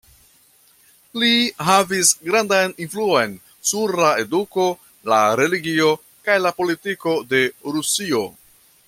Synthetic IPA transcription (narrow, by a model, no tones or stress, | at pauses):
liɦavisɡɾandajninfluo̞jn | suɾlae̞duko̞ | laɾe̞liɡio̞ | kajlapo̞litiko̞de̞ɾusio̞